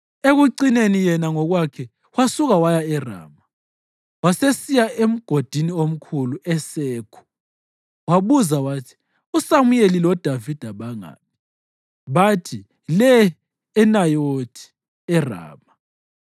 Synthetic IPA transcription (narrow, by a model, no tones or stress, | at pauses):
eɣuǀinenijɛnaŋɔɣwakʰɛ | wasuɣawajaɛra̰ːma | wasesijaem̩ɡ̥ʱod̥ʱiniom̩kʰuluʔɛseːkʰu̥ | waβuzawatʰi̥ | usamujelilɔd̥ʱavid̥ʱaβaŋa̰ːp̚ʰi̥ | βatʰi | lɛː | najod̥ʰʱi̥ | ɛra̰ːma